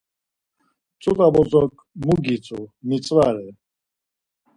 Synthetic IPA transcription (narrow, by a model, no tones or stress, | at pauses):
t͡sʼut̪ʼabɔt͡sʼɔkʼmuɡit͡sʼumit͡sʼvaɾɛ